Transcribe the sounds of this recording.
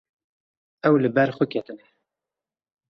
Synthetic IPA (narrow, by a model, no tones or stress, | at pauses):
ɛwlɨbɛɾxʊkʰɛt̪ɨnɛ